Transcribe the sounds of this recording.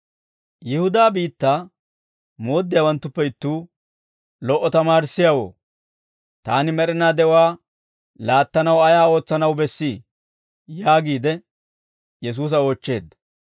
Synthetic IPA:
jɪhʊd̪aːbiːt̪ːaː | mo̞ːd̪ːɪjawɐnt̪ːʊpːɛɪt̪ːuː | lɔʔːɔt̪ɐmaːɾɪsːɪjawo̰ː | t̪aːnɪmɛɾɪnaːd̪ɛwaː | laːt̪ːɐnɐwɐjaːo̞ːt͡sːɐnɐwbɛsːiː | jaːɡiːd̪ɛ | jɛs̬uːs̬ɐo̞ːt͡ʃːe̞ːd̪ːɐ

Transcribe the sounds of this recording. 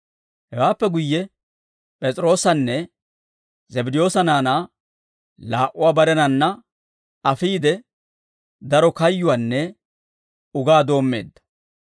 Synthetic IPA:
hɛwaːpːɛɡʊjːɛ | pʼɛt͡sʼɾo̞ːsɐnːɛ | zɛbɪd̪ɪjo̞ːsɐnaːnaː | laːʔʊwaːbɐɾɛnɐnːɐ | ɐfiːd̪ɛ | d̪ɐɾɔkɐjːʊwanːɛ | ʊɡaːd̪o̞ːmːeːd̪ːɐ̥

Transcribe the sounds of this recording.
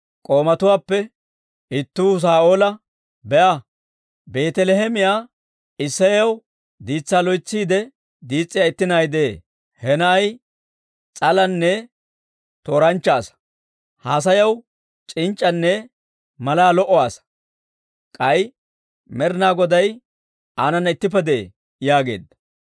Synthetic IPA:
kʼo̞ːmɐt̪ʊwaːpːɛ | ɪt̪ːuːs̬aːʔoːlɐ | bɛʔɐ | be̞ːt̪ɛlɛɦɛmɪjaː | ɪsːɐjɐw | d̪iːt͡sːaːlɔjt͡sːiːd̪ɛ | d̪iːt͡sʼːɪjaɪt̪ːɪnajd̪eː | hɛnɐːj | t͡sʼɐlɐnːɛ | t̪oːɾɐnt͡ʃːaːs | haːs̬ɐjɐw | t͡ʃʼɪnt͡ʃʼːɐnːɛ | mɐlaːlɔʔɔwaːs | kʼɐj | mɛɾnaːɡɔd̪ɐj | aːnɐnːɐɪt̪ːɪp̬ːɛd̪ɛ̰ | jaːɡe̞̰ːd̪ɐ

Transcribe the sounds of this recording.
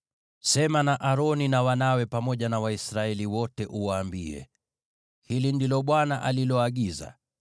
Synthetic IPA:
sɛmanaʔaɾɔninawanawɛpamɔʄanawaisɾaɛliwɔtɛʔuwaːmbiɛ̰ | hilindilɔɓwanaʔalilɔaɠiza̰

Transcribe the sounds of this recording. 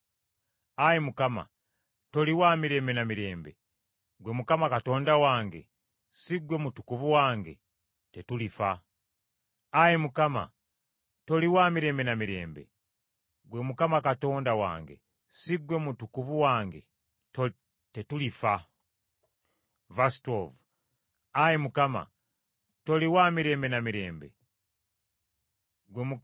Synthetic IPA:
ajemukama̰ | to̞liwaːmiɾe̞ːmbe̞namiɾe̞ːmbe | ɡwe̞mukamakato̞ːndawaːŋɡe̞̰ | siɡwe̞mutukuvuwaːŋɡe̞̰ | tetulifa | ajemukama̰ | to̞liwaːmiɾe̞ːmbe̞namiɾe̞ːmbe̞̰ | ɡwe̞mukamakato̞ːndawa̰ːŋɡe̞̰ | siɡwe̞mutukuvuwaːŋɡe̞ | tetulifa | vastovu | ajemukama̰ | to̞liwaːmiɾe̞ːmbe̞namiɾe̞ːmbe̞̰ | ɡwemu

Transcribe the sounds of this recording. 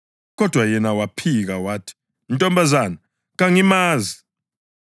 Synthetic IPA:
k̬ɔd̥ʱwajɛnawapʰik̬awaːtʰi̥ | ntʼɔmbazana | ɣ̬aŋimaːzi

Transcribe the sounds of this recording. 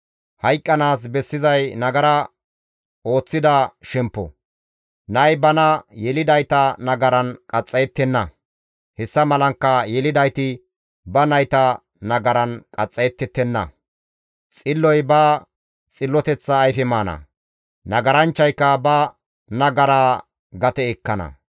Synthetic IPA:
hɐjkʼːɐnaːs̬bɛsːɪzɐjnɐɡɐɾɐ | o̞ːt͡sːɪd̪ɐʃɛmpːɔ̰ | nɐjbɐnɐjɛlɪd̪ɐjt̪ɐnɐɡɐɾɐnkʼɐt͡sʼːɐjɛt̪ːɛnːɐ | hɛsːɐmɐlɐŋkːɐjɛlɪd̪ɐjt̪ɪ | bɐnɐjt̪ɐ | nɐɡɐɾɐnkʼɐt͡sʼːɛjɛt̪ːɛt̪ːɛnːɐ̰ | t͡sʼɪlːɔjbɐ | t͡sʼɪlːɔt̪ɛt͡sːɐːjfɛmaːnɐ̰ | nɐɡɐɾɐnt͡ʃːɐjkːɐbɐ | nɐɡɐɾaː | ɡɐt̪ɛɛkːɐnɐ̰

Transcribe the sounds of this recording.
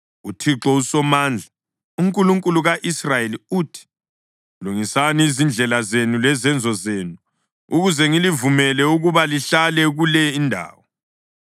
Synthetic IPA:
utʰiǁɔusɔmaːnd͡ɮʱa | uŋkʼuluŋkʼuluɣaʔisrajeliutʰi̥ | luŋisaniːzind͡ɮʱɛlazenulɛzɛnd͡zʱɔzeːnu | uɣuzɛŋilivumɛlɛuɣuβaliɬalɛɣulɛindʱa̰ːwɔ

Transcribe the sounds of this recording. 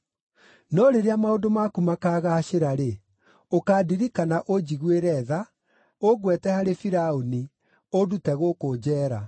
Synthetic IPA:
nɔɾeɾeamaodomakumakaɣaɕeɾaɾe | okaːdiɾikanaʔod͡ʑiɣweɾɛða | oɣwɛtɛhaɾefiɾaoni | odutɛɣokod͡ʑɛːɾa

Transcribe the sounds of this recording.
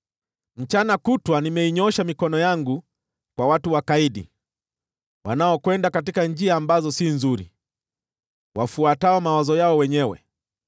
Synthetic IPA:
m̩t͡ʃanakutwanimɛiɲɔʃamikɔnɔjaŋɡu | kwawatuwakaiɗḭ | wa̰naɔkwɛndakatikand͡ʒiaːmbazɔsinzuɾḭ | wafuataɔmawazɔjaɔwɛɲɛwɛ̰

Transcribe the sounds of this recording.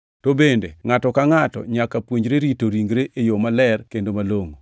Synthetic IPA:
tobendḛŋatɔkaŋatɔ̰ɲakapwoɲɾeɾitoɾiŋɡɾeʔejomalɛrkendomaloŋo

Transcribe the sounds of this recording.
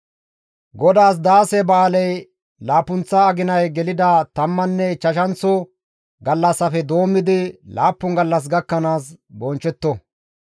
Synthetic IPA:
ɡɔd̪aːs̬d̪aːsɛbaːlɛj | laːpʊnt͡sːɐːɡɪnɐjɡɛlɪd̪ɐt̪ɐmːɐnːɛt͡ʃɐʃɐnt͡sːʊ | ɡɐlːɐsːɐfɛd̪o̞ːmːɪd̪ɪlʔa̰ːpːʊŋɡɐlːɐs̬ɡɐkːɐnaːsbɔnt͡ʃːɛt̪ːɔ

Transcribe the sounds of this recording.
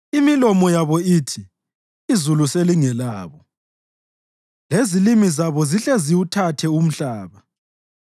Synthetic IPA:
imilɔmɔjaβɔiːtʰi | izuluseliŋɛlaːβɔ | lezilimizaβɔziɬeziwutʰatʰɛum̩ɬaːβa

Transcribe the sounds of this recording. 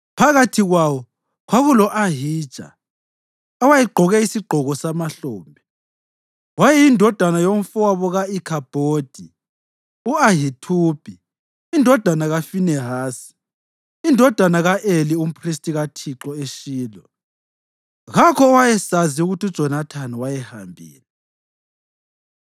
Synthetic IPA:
pʰaɣatʰiɣwawɔ | ɣaɣulɔʔaɦi̥ːt͡ʃʼa̰ | awajiɡ͡ǃʱɔɣɛisiɡ͡ǃʱɔɣɔsamaɬoːmbʱɛ | wajɛjindʱɔd̥ʱanajoɱ̩fɔwaβɔɣaikʰab̥ʱoːd̥ʱi | uaɦitʰuːb̥ʱi | indʱɔd̥ʱanaɣafinɛɦaːsi̥ | indʱɔd̥ʱanaɣaʔelium̩pʰristʼiɣatʰiǁɔeʃiːlɔ | ɣakʰɔːwajɛsaziuɣutiu̥t͡ʃɔnatʰanɛwajɛha̰mbʱḭːlɛ

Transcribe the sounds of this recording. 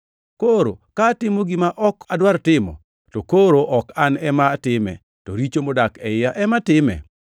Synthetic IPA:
koɾo̰kaːtɪmoɡɪmaʔɔkadwartɪmɔ̰ | tɔkoɾoʔɔkanɛmatɪmɛ̰ | tɔ̰ɾit͡ʃomodakɛɪjaʔɛmatɪmɛ̰

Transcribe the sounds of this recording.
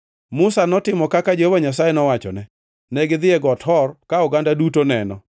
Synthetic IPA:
mʊsanɔtɪmɔkakad͡ʒohovaɲas̬ajɛnɔwat͡ʃɔ̰nɛ | nɛɡɪd̪ɪɛɡɔthɔrkaʊɡandadutonɛnɔ

